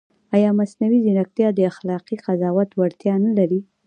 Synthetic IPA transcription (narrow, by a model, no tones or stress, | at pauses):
ajɑmasnawizɪnak̚t̪jɑd̪əaxlɑqiqazɑwat̪waɽt̪jɑnalaɾi